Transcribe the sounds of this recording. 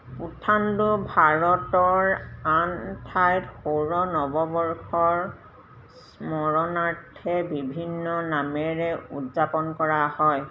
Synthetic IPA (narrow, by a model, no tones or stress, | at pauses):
utʰandubʱaɹɔtɔɹantʰajtxoɹɔnɔbɔbɔɹxɔɹ | s | mɔɹɔnaɹtʰɛbibʱinːɔnamɛɹɛṵdzapɔnkɔɹahɔj